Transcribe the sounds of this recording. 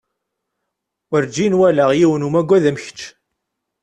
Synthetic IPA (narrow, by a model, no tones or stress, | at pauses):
əɾd͡ʒinwælæʁjiwənumæɡʷːæðæmçə̥t͡ʃː